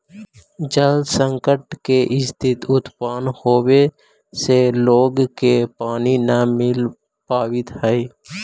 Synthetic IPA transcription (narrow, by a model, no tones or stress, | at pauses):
d͡ʒəld̪sə̃ŋkəʈkeʔɪst̪ʰɪt̪ʊt̪paːnhoːwe | seloːɡkepaːninamɪl | paːwɪt̪həi